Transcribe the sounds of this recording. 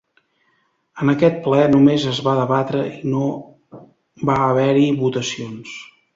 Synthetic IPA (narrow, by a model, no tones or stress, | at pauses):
ənəkɛt̪̚plɛnumezəzβaðəβat̪ɾəino | baəβ̞ɛɾiβut̪əsions